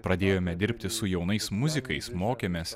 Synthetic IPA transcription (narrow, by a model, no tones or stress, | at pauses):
pɾɐd̪ʲeːjoːmʲɛd̪ʲɪɾʲpʲt̪ʲɪsʊjɛʊnɐɪsmʊzʲɪkɐɪsmoːkʲeːmʲes